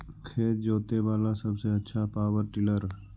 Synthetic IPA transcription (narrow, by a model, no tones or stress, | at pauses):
kʰeːtd͡ʒoːt̪eʋaːlasəbseɐtːʃʰapaːʋəɾʈɪləɾ